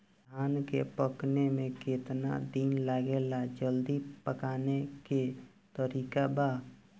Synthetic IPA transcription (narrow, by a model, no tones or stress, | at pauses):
d̪ʱaːnkepəknemẽkeːt̪na̰d̪iːnlaɡelad͡ʒəld̪ipəkaːneke | t̪əɾiːkabaː